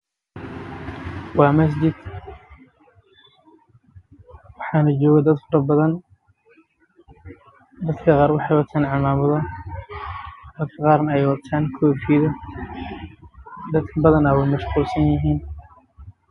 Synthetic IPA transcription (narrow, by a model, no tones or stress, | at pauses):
wɑːmɐs̬d͡ʒɪd̪̥ | wɑħɑːnɐt͡ʃɔːɣɐd̪ɐd̪fɐɾɐbɐðɐn | d̪ɐd̪kʰɐqɑːrwɑħɑjwɐt̪ʰaːnʕɑmaːmɐðɐ | hɐd̪kʰɐqɑːrnɐɛjwɑt̪ʰaːŋkʰɔːfiːðɐ | d̪ɐd̪kʰɐbɐðɐnɐwɛjmɐʃquːlsɐnjɪɦiːn